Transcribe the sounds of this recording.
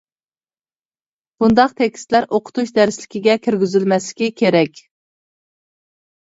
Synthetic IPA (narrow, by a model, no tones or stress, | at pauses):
b̥und̪ɑqt̪ʰɛkʲst̪læɾʔoqʰʊ̥t̪ʰuʃd̪æɾslɪkʲiɡʲɛkʲʰiɾɡʲyzɪlmɛslɪ̥kʲikʲʰeɾɛkʲ